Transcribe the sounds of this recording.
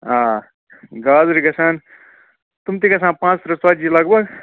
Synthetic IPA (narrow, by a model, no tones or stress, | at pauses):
ãː | ɡaːzɾiɡɐsʰaːn | t̪umt̪iɡɐsʰãːnpãːt͡spʰɾɐswaːilaɡbɐɡ